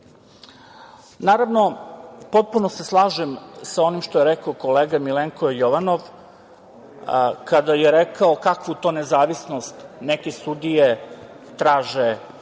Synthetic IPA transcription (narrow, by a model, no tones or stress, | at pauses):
naːɾaʋno̞po̞t̪̚punose̞slˠaːʒemsao̞nimʃt̪ojeɾekaoko̞leːɡamileŋkojoʋanoʋ | kad̪ajeɾekaokakʋut̪o̞ːnezaːʋisno̞st̪nekesud̪ije | t̪ɾaːʒe